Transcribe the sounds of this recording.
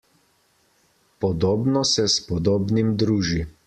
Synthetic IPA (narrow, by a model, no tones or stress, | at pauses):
pɔd̪oːbnɔsɛspɔd̪oːbnimd̪ɾuːʒi